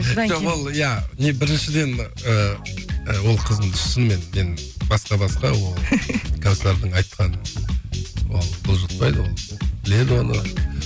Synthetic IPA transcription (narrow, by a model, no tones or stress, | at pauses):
ʒoolˠjæne̞bɪɾɪnʃɪd̪e̞n | ə | əwo̞lˠqʰəzəmd̪əʃənme̞nme̞nbɑsqɑbɑsqɑwo̞lˠkʰanslˠeɾd̪əɴɑjt̪qʰɑnə | wolˠbʰolˠʒɑt̪̚pɑjd̪əwo̞lˠb̥ɪle̞d̪ɪwonə